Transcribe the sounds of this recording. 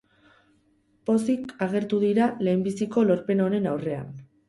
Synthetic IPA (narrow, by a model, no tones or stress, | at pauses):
po̞sikaɣe̞ɾt̪uðiɾale̞ːmbisiko̞lo̞ɾpe̞no̞ne̞nawre̞a̰n